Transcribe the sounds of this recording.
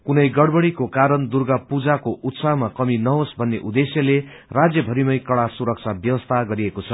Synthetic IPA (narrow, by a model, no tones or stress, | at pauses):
kunʌjɡʌɽbʌɽikokaɾʌnd̪urɡapud͡zakoʔut̪saɦmakʌminʌɦosbʱʌnːeʔud̪esjʌle | rad͡zjʌbʱʌɾimʌjkʌɽasuɾʌk̚t͡sʰabjʌwʌst̪ʰaɡʌɾiekot͡sʰʌ